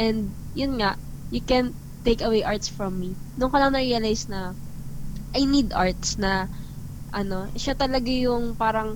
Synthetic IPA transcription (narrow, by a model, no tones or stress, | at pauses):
ʔɛnd̪̚ | jʊnŋaʔ | jʊkɛn | t̪ːejkɐwejʔaɹt̪sfɹɔmːi | nʊŋkolɐŋnɐɾiɐlajsnɐ | ʔajnid̪ʔaɹt̪snɐ | ʔɐno̞ʃat̪ɐlɐɡajʊŋpaːɾɐŋ